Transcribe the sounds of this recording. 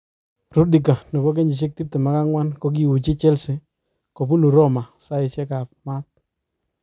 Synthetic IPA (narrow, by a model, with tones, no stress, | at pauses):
ɾu˦di˨ka˨nɔ˨bɔ˦k̬e˦ɲd͡ʒi˨t͡ʃ̬ɪ˦k̚ti˦p̚tɪ˨ma˦ka˦ŋwa˦nko˦k̬i˦wu˨t͡ʃi˦t͡ʃɛ˦lsɪ˨ | ko˨bu˦nu˨ɾɔ˦ma˨sa˦ɪ˨t͡ʃɛ˦ka˨p̚ma˦t̚